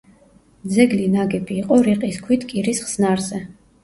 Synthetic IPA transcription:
d̪zɛɡlinaɡɛbiːqʼɔɾiqʼiskʰwit̪ʰkʼiɾisχsnaɾzɛ

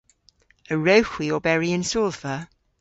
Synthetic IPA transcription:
əɹəʊxwiəbɛɹiɪ̃nsɔːlfə

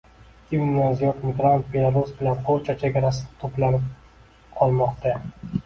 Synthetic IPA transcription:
ɡ̥ʲɪnazijɒt̪mɪɡɾant̪̚be̞lˠaɾusbɪlanqʰoɾt͡ʃʰat͡ʃʰeɡʲaɾasɪnɪt̪ʰoplanɪp̚ | qʰɒlˠmɒqt̪ʰa

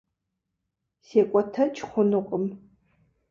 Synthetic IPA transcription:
seːkʷʼɔtʰɐt͡ʃʰʼχʷʊnɨqʷʼəm

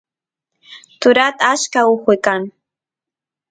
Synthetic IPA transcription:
t̪ʊɾat̪aaskaʊχwɪjkaŋ

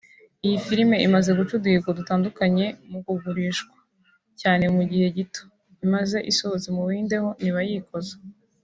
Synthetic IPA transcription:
ijifiɾime̞ʔimaze̞ɡut͡ʃuduhiɡadutaːndukaɲe̞mukuɡuɾiːʃkwḁ | caːne̞muɟihe̞ɟito | imaze̞ʔiso̞zimuβiːnde̞ho̞niβajiːkʰo̞ze̥

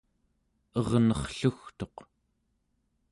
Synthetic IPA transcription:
ʌʁnʌχɬuxt̪o̞q

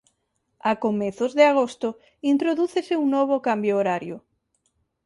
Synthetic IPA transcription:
akomeθozðeaɣ̞ost̪o | int̪ɾoðuθeseuŋnoβ̞okambjoːɾaɾjo

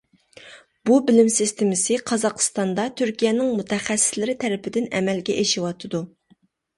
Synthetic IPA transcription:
bubɪlɪmsist̪ɪmɪsɪqʰɑzɑqʰə̥st̪ɑnd̪ɑt̪ʰyɾkʲijɛnɪŋmut̪ʰɛχɛsːɪ̥slɪɾɪt̪ʰɛɾɪpɪd̪ɪnɛ̰mɛlɡʲɛʔeʃiwɑt̪ʰɨd̪u

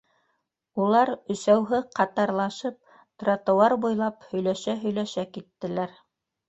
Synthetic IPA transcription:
ulˠɑɾɵ̆sæwɦɘqʰɑt̪ɑɾlˠɑʃɤp̚ | t̪rot̪ŭwɑɾbujlˠɑphɵ̆jlæʃæɦɵ̆jlæʃækit̪ːɘ̆læɾ

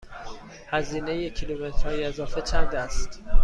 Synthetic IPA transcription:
hæziːnejecʰilumet̪ʰɾɒːjiezɒːfe̞cʰæɾd̪eæst̪

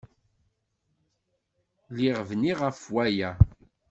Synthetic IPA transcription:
liʁvniʁəfwæjæ

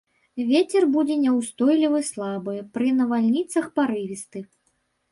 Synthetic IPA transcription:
vʲet͡sʲɛrbud͡zʲɛnʲɛwst̪ɔjlʲivɨslˠabɨpɾɨnɐvalʲnʲit̪sɐxpaɾɨvʲist̪ɨ

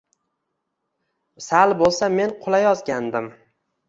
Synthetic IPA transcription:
salbolˠsame̞nqʰʊlˠajɒzɡʲand̪ɪm

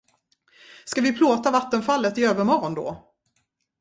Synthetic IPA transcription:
skavɪpʰloːt̪avat̪ːənfalːət̪ɪøːvəɾmɔɾɔnd̪o̰ː

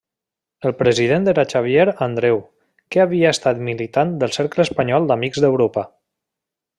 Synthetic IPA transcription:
əlˠpɾəzið̞end̪əɾat͡ʃaβjeɾand̪ɾɛw | keaβiaːst̪at̪milit̪and̪əlˠseɾkləspəɲɔlˠd̪amikzd̪əwɾopə

